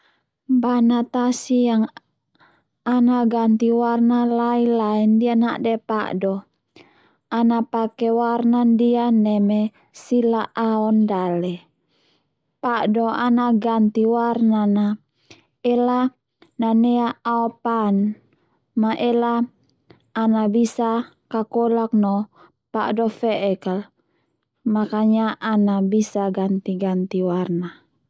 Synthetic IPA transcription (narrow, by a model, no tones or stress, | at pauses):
banat̪asijaŋ | anaɡant̪iwarnalailaɛndiana̰ʔdɛpa̰ʔdɔ | anapakɛwarnandianɛmɛ | silaʔaɔndalɛ | paʔdɔanaɡant̪iwarnana | ɛla | nanɛaːɔpan | maʔelaː | nabisa | kakɔlak̚nɔ | paʔdɔfɛʔɛkal | makaɲaʔːnabisaɡant̪iɡant̪iwarna